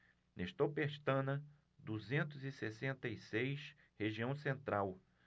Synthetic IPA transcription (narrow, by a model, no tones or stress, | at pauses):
nʔeʃt̪opeʃt̪ɐ̃nɐ | d̪uzẽnt̪ʊzɪsesẽnt̪ɐjsejʃ | heʒiɐ̃w̃sẽnt̪ɾaw